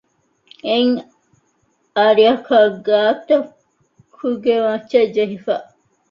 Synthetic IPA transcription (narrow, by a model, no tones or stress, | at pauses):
eŋ | aɾiɐkʰaːɡaːt̪ɐ | kʰuɡeʋɐ̃t͡ʃːɐd͡ʒeɦifaː